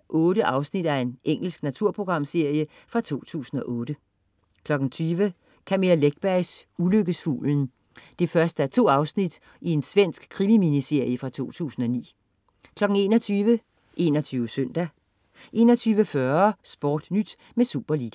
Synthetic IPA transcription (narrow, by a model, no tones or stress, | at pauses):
ʔɔ̽ːɾəʔɑ̈ʊsnid̥æe̝nʔeŋ̰l̩sɡ̥næt͡sʰuɐ̰pʰʁo̝ɡ̥ʁɑ̈m̰se̝ɐ̰jə | fʁɑ̈t͡sʰo̝̰ːt͡sʰṵːsn̩ɒ̽ʔɔ̽ːd̥ə | kʰlɒ̽ɡ̥n̩t͡sʰyːʋə | kʰæmelæleɡ̥̚b̥æɪsuløɡ̥əsfṵːln̩ | d̥e̝fɶɐsd̥əæɐt͡sʰo̝̰ːɑ̈ʊsnid̥ | ie̝nsʋen̰sɡ̥kʰːʁimiminise̝ɐ̰jəfʁɑ̈t͡sʰo̝̰ːt͡sʰṵːsn̩ɒ̽nḭː | kʰlɒ̽ɡ̥n̩e̝̰ːnɒ̽t͡sʰyːʋə | ʔe̝̰ːnɒt͡sʰyːʊəsøn̰d̥æ | ʔe̝̰ːnɒt͡sʰyːʋəfɶɐsb̥ɒ̰ːd̥nyd̥ | mesuːb̥ɐliːɡ̥æ